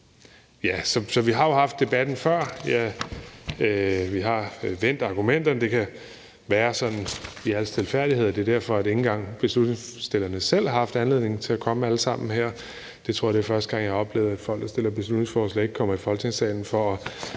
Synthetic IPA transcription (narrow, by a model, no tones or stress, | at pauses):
jæsɒ̽sɒ̽ʋiɦɑ̈jo̝hɑ̈fd̥e̝b̥æd̥n̩fɶɐ̰jæ | ʋiɦɑ̈ʋen̰d̥ɑ̈ɡ̥umen̰d̥ɐnəd̥e̝kʰæ | ʋæːɐsɒ̽nn̩iæl̰st͡sʰelfæɐd̥ihe̝ð̞̰ˠd̥e̝ɐd̥æɐ̰fɒ̽æɾ̥e̝ŋn̩ɡ̥ɑ̈ŋ̰b̥e̝slud̥neŋsd̥e̝l̰ɐnəsel̰hɑ̈hɑ̈fd̥ænle̝ð̰ˠne̝ŋ̩t͡sʰe̝ækʰɒ̽məæləsɑ̈m̰n̩ɦæɐ̰ | d̥e̝t͡sʰʁo̝ɐ̰d̥efɶɐsd̥əɡ̥ɑ̈ŋ̰jɑ̈ɒ̽b̥le̝̰ʊð̞̩ˠæd̥fɒ̽l̰ɡd̥ɐsd̥e̝l̰ɐb̥e̝slud̥ne̝ŋsfɒːslɛe̝ɡ̥̚kʰɒ̽m̰ɐifɒ̽lt͡sʰe̝ŋsɛ̰ɪn̩fɒɒ̽